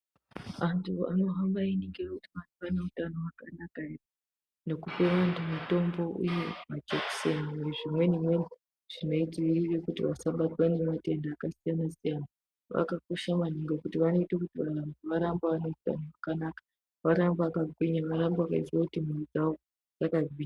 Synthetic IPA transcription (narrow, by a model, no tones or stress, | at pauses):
antʰua̰no̞ɦambainiŋkirakutiʋantupaneutanowakanakair | ne̞kupe̞ʋantʰumato̞mbo̞ʔujemad͡ʒeksenueʐimwe̞nimwe̞ni | ʐ̥ino̞id͡zwirirekutiʋasaɓatwane̞mate̞ndaːkasijanasijana | ʋa̰kako̞ʃamaniŋɡekutiʋano̞itakutiʋarambiʋaɾambaʋaneuta̰nowakanaːkḁ | ʋaɾambaakaɡʱwiɲaʋaɾambaaka̰id͡ziwakutimerid͡zaʋo̞ | d͡z̥akaɡʱwiɲa